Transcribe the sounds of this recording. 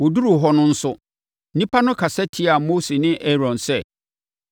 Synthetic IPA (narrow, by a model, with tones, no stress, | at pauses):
wɔ˨du˦ɾu˨ɦɔ˦nʊ̃˦n̩˦sʊ˦ | nĩ˦pʰa˦nʊ̃˦kʰa˨sɛ˦tʰɪ˦a˨moː˦se˨nɪ̃˦ʔe˦ɾɔ̃˨nsɛ˦˨